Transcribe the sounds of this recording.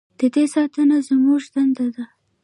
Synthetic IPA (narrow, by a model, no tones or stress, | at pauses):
d̪̥əd̪esɑt̪ənazəmuʒd̪and̪ad̪a